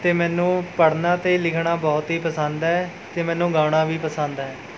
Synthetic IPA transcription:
t̪eːmɛ̃ːnũːpəɽnãːt̪eːlɪkʰɳaːbɔːt̪ɦiːpəsãnd̪aːɦɛː | t̪eːmɛ̃ːnũːɡaːɽ̃aːʋiːpəsə̃ːnd̪aːɛː

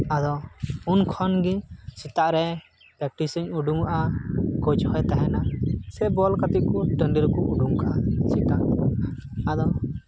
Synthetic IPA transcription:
ad̪ɔunkʰɔnɡisit̪aʔɾɛ | pɾɛk̚ʈisəɲuɖuŋaʔakɔd͡ʒhɔjt̪aɦɛnasɛbɔlkat̪it̪̚kɔʈəɳɖiɾkɔʔuɖuŋkaʔasit̪aʔ | ad̪ɔ

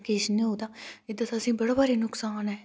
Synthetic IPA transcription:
keːʃənĩːɦoːd̪aːɪd̪ət̪asĩːbɐɽabaːɾinʊksaːnɦɛː

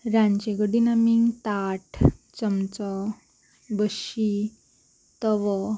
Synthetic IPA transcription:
ɾãɲt͡ɕeɡəɽinamiŋt̪aʈt͡səmt͡sɔ | bəɕi | t̪ɔʋɔ

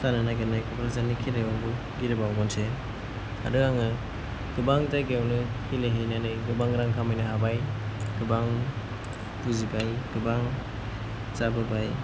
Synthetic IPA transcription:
sananaɡanajkɔpɾazanikʰiɾewaŋbu | ɡiɾɯbawɡɔnsʰe | a̰dɯaŋɯ | ɡ̥ɯbaŋtaɡewnɯhileɦejnanɯjɡɯbaŋɾaŋkʰamajnɯɦabajɡ̥ɯbaŋ | tuzibajɡ̥ɯbaŋ | zabɯbaj

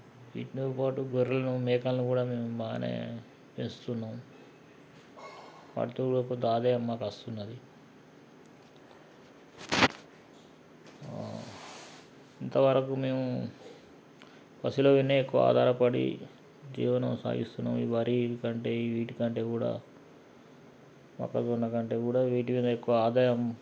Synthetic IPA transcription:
ʋḭʈnupaːʈuɡoɾilɐnumɛːkɐlɐnukuːɽaːmeːmumaːnḛː | pensut̪unːaːm | ʋa̰ːʈit̪oːuɽɐkot̪aːd̪eːɐmːaːkɐst̪unːɐd̪i | int̪ɐʋɐɾɐkume̞ːmu | pɐsiloːʋinːeekːuʋɐ̰a̰ːd̪ʱaːɾɐpɐɽḭ | d͡ʒḭːʋɐnɐmsa̰ːɡḭst̪unːa̰ːmiʋɐɾikɐɳʈe̞ːiʋiːʈikɐɳʈe̞ːkuːɽa̰ː | mɐ̰kːɐt̪unːɐkɐɳʈe̞ːkuːɽaːʋiːʈ̬imiːd̪ɐekːuʋɐaːd̪aːjɐm

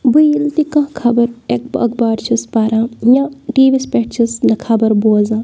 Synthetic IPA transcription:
bujilt̪ikɐ̃kʰɐbɐɾek̚bɐ̰kbaːɾt͡ʃʰuspaɾãːjãʈiːʋispʲeʈ̚t͡ʃʰisnɐkʰɐbɐɾbuzãː

